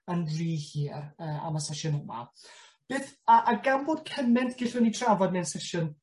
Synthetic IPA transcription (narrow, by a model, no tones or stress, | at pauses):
əndriːhiːrəːa̰masɛʃʊnəma̰ | b̥eːθaʔaɡanboːd̚kʰəmɛntʰɡ̥ɪɬʊnitʰravɔdnɛnsɛʃʊn